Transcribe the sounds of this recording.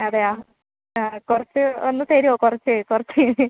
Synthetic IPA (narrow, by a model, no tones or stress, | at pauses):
ɐðeaː | aːkurɐt͡ɕːɨonːɨseːɾioːkurɐt͡ɕːɨkurɐt͡ɕːɨ